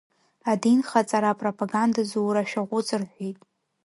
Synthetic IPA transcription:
adinχat͡sʼaɾapʼropʰʼaɡandazuwɾaʃᶣaʁʷʊt͡sʼɨrħʷijtʼ

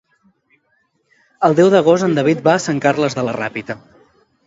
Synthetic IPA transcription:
əlˠd̪ɛwðəɣ̞ozənd̪əβit̪̚baːsaŋkaɾləzðələra̰pit̪ə

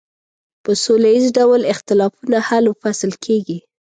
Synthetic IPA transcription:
pəsolajizɖawlɪxt̪ɪlɑfunahalwfasəlkʰeɡi

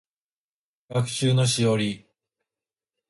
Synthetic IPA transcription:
ɡ̥akɯ̟̥ɕɨːno̞ɕ̬ijoɾʲi

